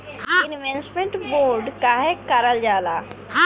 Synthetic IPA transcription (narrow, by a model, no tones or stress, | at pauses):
ɪnʋensmẽɳʈboːɾɖkaɦekəɾəld͡ʒaːlaː